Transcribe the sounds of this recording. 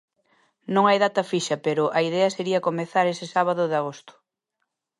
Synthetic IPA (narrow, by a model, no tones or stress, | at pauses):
nõŋajðat̪ɐfiʃɐpeɾʊʔɐiðɛɐseɾiɐkomeθaɾesɪsaβaðʊðɪaɣ̞ost̪ʊ̥